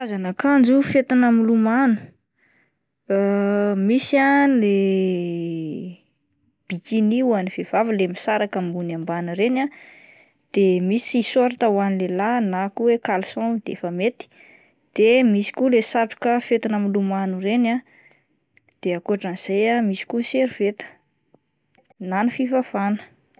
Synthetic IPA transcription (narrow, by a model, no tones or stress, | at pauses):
azanakand͡zufet̪inamilumanu̥ | misiale | b̥ikiniwaniv̥ev̥avilemisaɾakambunambaniɾena | d̪̥emisisoɾit̪awanilelanakuwekalsɔ̃d̪̥efəmet̪i̥ | d̪̥emisi̥kulesaʈ͡ʂu̥kəfet̪inəmilumanurena | d̪̥eakuaʈ͡ʂəniz̥ejamisi̥kuseɾivet̪ə̥ | nanifivav̥anə̥